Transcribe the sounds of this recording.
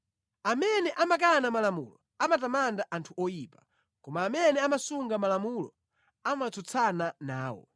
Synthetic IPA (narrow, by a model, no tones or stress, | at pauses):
amɛnɛʔamak̬anamalamṵlɔ | amatamandaʔantʰuɔjiːpḁ | kɔmaːmɛnɛamasuŋɡamalamulɔ̰ | amat͡sʰɔt͡sʰananaːwɔ̰